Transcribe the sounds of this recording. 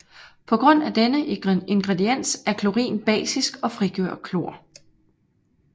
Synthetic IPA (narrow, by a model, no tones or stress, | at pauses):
pʰɒ̽ɡ̥ʁɔ̽n̰æd̥enəe̝nɡ̥ʁedien̰sæɐkʰloʁḭːnb̥ɛ̰ːsisɡ̥ɒ̽fʁiɡ̥ø̰ɐ̰̥kʰlo̝ɐ̰